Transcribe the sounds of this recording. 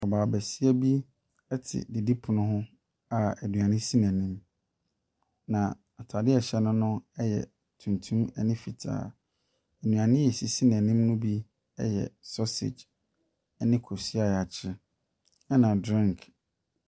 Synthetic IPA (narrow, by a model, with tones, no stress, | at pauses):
ɔ˨baː˨bæ˨si˦æ˦bi˦ | ɛ˦tʰɪ̰˨di˨di˦pʰʊ˨nʊ̃˦ɦʊ̃˦ | a˨æ˨dũ˨ã˨nɪ̃˦si˦næ̃˨nĩ˦m | nã˨ | a˨tʰa˨dɪ˦ɛ˨ɕɛ˦nʊ̃˦nʊ̃˦ɛ˦jɛ̰˨ | tʰũ˨ntʰũ˦mɛ˨nɪ̃˦fi˨tʰa̰ː˨ | æ˨nũ˨ã˨nɪ̃˦jɛ˨si˨si˦næ̃˨nĩ˦mnʊ̃˦bi˦ | ɛ̰˦jɛ̰˨sɔ˦sḛ˨d͡ʑ | ɛ˦nɪ̃˦kʰo˨si˦a˨a˨t͡ɕʰɪ˦ | ɛ˦nã˨dɾĩ˦ŋkʰ